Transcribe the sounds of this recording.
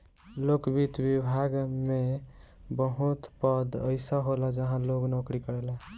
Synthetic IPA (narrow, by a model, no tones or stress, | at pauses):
lokbit̪bibʱaɡme | bəɦut̪pəd̪əɪsəɦolad͡ʒəɦãloɡnokɾikəɾɛla